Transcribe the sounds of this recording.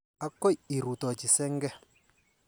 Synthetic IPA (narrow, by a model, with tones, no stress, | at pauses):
a˦kːɔ˦ji˨ɾu˨t̪ɔ˨t͡ʃi˨sɛ˦ŋɡɛ˦